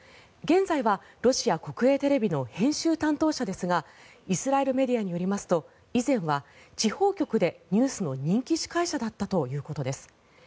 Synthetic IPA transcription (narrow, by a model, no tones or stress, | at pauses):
ɡẽ̞nzaiβa | ɾo̞ɕiako̞kɯ̟e̞ːt̪e̞ɾe̞bʲino̞hẽ̞ɰ̃ɕɨːt̪ãnt̪o̞ːɕad̪e̞sɨɡa | isɨɾae̞ɾɯ̟me̞d̪iaɲ̟ijo̞ɾʲimasɨ̥t̪o̞ | izẽ̞ɰ̃βa | t͡ɕiho̞ːkʲo̞kɯ̟d̪e̞ɲ̟ɨːsɨno̞ɲ̟ĩŋkʲiɕi̥kaiɕad̪at̪ːat̪o̞jɯ̟ːko̞t̪o̞d̪e̞sɨ̥